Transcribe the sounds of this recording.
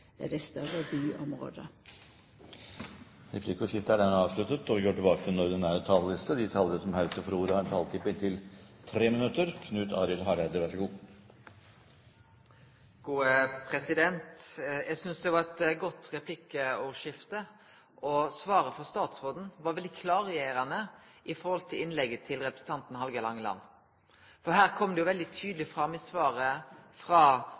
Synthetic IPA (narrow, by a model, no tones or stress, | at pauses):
æɖɛst̪œɾəbyːʔɔmɾo̰ːd̪ə | ɾɛpʰlɪkʊʂɪft̪əæɖænɑːʋslʉt̪ət̪ɔʋɪɡoːʈɪlbɑːkəənɔɾd̪ɛnæːɾət̪ʰɑllɪst̪əd̪ɪt̪ʰɑlənəsɔmhœʏt̪əfɔɾuːɾəhɑɾɛnt̪ʰɑlt̪ʰɪpəɪnt̪ʰɪlt̪ʰɾeːmənʉt̪ːəɾkʰnʉːt̪ʰɑ̰ːɾɪlɦɑɾɛd̪əʋæʂɔɡuː | ɡ̥uːəpʰɾɛsɪd̪ɛnt̪jæsʏnsd̪ɛʋɑɾɛt̪ɡɔt̪ɾɛpʰlɪkːəɔʂɪft̪ə | ʔɔsʋɑːɾəfɔst̪ɑːt̪sʁoːd̪n̩ʋɑɾʋɛld̪ɪkʰlɑːɾeːɾɑnəʔɪfɔɾhɔlt̪ʰɪlɪnlɛɡət̪ʰɪlʁɛpɾəsn̩t̪ʰɑnt̪n̩hɑlɡəlɑŋːəlɑ̰nː | fɔhæːʁkʰɔmd̪ɛjʊʋɛld̪ɪt̪ʰyːd̪lɪfʁɑmɪsʋɑːɾəfʁɑː